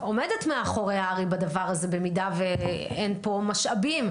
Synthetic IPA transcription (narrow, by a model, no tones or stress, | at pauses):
o̞medetmeaχo̞ʁeaʁibadavaʁazebe̞midaveenpo̞maʃabim